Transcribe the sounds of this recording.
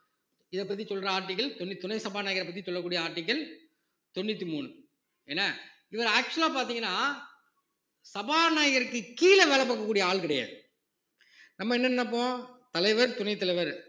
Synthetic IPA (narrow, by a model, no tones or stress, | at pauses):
ɪðɛpːɐt̪̬ːisɔlɾɐaːɾʈːɪk̬ːɐlt̪ɔnːɪt̪ʊnɐɪsɐbaːɾnaːjɐɣɐɾɐpːɐt̪̬ːisɔlːɐkːuːɽɪjɐaːɾʈːɪk̬ːɐl | t̪ɔnːɪt̪ːimuːn | ɛnːɐ | ɪʋɐɾaːk̚t͡ʃʊɐlaːpaːɾt̪iːŋɡɐnːaː | sɐbaːnaːjɐɣɐɾɯkːɯkiːlɐʋɛɭɐpːɐkːɐkːuːɽɪjɐaːɭkɪɽɐjɐ̰ | nɐmːɐɛnːɐnnːɐp̬ːõːt̪ɐlɐɪʋɐɾt̪ʊnɐɪt̪ːɐlɐɪʋɐɾ